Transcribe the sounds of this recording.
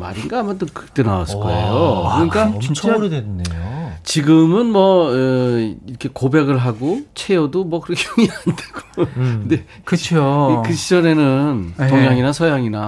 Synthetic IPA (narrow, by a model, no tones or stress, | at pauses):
ma̰ɾinɡaːmant͈ɯnkɯ̥kt͈enawa̰s͈ɯk͈oḛjokɯɲik͈aɾdenet͡ɕiɡɯmɯnmwʌ | iɾʌkʰe̞kobe̞ɡɯɭɦaɡot͡ɕʰe̞jodomwʌkɯɾʌkʰejoŋiandeɡ̥o̥ɯnde | kʰokɯɕʰid͡ʑʌne̞nɯntoŋjaŋinasʰʌjaŋina